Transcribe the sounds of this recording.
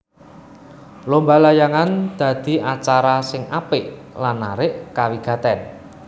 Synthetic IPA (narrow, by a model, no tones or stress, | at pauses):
lombalajaŋand̪̥ä̤d̪̥i̤ʔat͡ʃaɾasɪŋapɪʔlanːa̰ɾɪʔkawiɡ̥a̤t̪ɛn